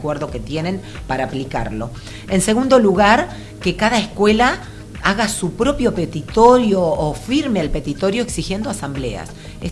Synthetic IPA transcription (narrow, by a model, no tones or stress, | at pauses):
kweɾðo̞ke̞t̪je̞nẽ̞m | paɾaːplika̰ɾlo̞̰ | ense̞ɣund̪o̞luɣaɾ | ke̞kaðaeskwe̞la | aɣasupɾo̞pjo̞pet̪it̪oɾjo̞ːfiɾmealpe̞t̪it̪o̞ɾjo̞eksixje̞nd̪oasamble̞̰a̰s | e